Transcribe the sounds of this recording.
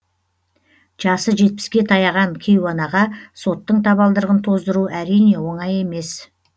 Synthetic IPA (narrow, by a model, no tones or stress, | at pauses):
ʒ̥ɑsəʒe̞t̪̚pɪ̥skʲe̞t̪ʰɑjɑʁɑŋkʲʰejwɑnɑʁɑso̞t̪ːəɴt̪ʰɑβɑlˠd̪əɾʁənt̪ʰo̞zd̪əɾuʔæɾijne̞wo̞ɴɑje̞me̞s